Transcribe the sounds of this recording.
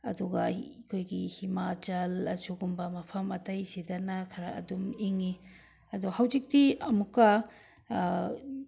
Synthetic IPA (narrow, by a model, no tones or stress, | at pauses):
ɐ̰duɡɐkʰojɡihimat͡ʃɐlɐsuɡumbɐmɐpʰɐmɐtɐjsidɐnɐkʰɐɾɐɐ̰dumiŋi | ɐduhɐwzik̚diɐmukːɐ